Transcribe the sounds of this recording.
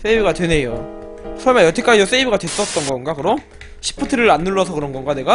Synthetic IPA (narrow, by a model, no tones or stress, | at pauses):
s͈ebiɡatwe̞ne̞jo | sʰʌɭmaɭjʌtʰek͈aiʌs͈ebiɡadwe̞s͈ʌt̚t͈ʌnɡʌnɡakɯɾʌ | ɕʰi̥pʰɯtʰɯɾɯɾanːuɭːʌsʰʌkɯɾʌnɡʌnɡane̞ɡa